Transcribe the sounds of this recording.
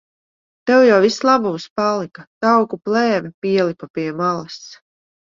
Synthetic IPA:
t̪ɛwjawvislˠabumspalˠikat̪awkuplˠɛːmɛpʲiɛlˠipapiɛmalˠɐs

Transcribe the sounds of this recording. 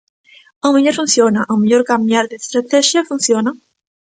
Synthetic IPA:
awmeʎoɾfunsjonaʔawmeʎoɾkambjaɾðest̪ɾat̪ɛʃjafunsjona

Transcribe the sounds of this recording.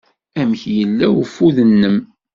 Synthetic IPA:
æmçjəlːæwəfuðənːəm

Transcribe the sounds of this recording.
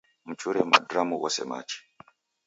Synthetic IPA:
mut͡ʃuɾema̰dramuwasḛma̰ːt͡ʃi̥

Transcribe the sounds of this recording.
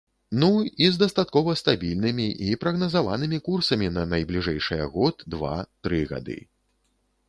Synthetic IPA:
nuizd̪ɐst̪at̪̚kɔvɐst̪abʲilʲnɨmʲiʔipɾɐɣnɐzavanɨmʲikursɐmʲinɐnɐjblʲiʐɛjʂɨjɛ̰ɣɔt̪d̪va̰t̪ɾɨɣa̰d̪ɨ̰

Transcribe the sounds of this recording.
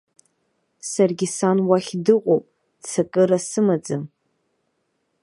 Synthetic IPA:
sarɡʲisanwaχʲdɨqʷʼowpʼ | t͡sʰakʼɨɾasɨmad͡zɨm

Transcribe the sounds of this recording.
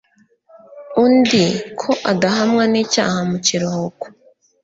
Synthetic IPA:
undikʰo̞ʔadaɦamŋaniːca̰ːhamuciɾohoko̥

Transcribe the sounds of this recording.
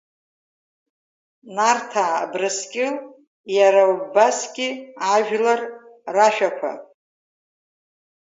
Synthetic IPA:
nartʰaːbrɨskʲʼɪ | jaɾaubasɡʲɪaʒᶣlarraʃᶣakʷʰa̰

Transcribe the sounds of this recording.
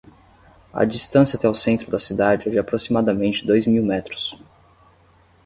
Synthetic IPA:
ɐ̰d͡ʒist̪ɐ̃sjɐat̪ɛʊsẽnt̪ɾʊd̪ɐsid̪ad͡ʒɪɛd͡ʒɪapɾosimad̪ɐmẽnt͡ʃɪd̪ojzmiwmɛt̪ɾʊ̥s

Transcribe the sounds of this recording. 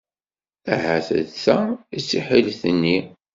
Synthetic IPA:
æɦæθə̰ðθæisːiħilθənːi

